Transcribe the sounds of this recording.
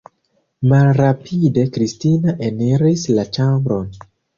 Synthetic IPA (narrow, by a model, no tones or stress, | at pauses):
malɾapʰide̞kɾistinaʔeneɾislat͡ʃambɾo̞n